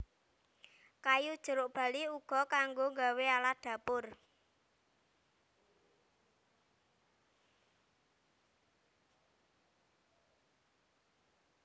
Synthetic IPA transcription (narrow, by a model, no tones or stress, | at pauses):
kajud̥ʒ̥ə̤ɾʊʔb̥a̤liuɡ̥ɔ̤kaŋɡoŋɡawealad̪̥ä̤pʊr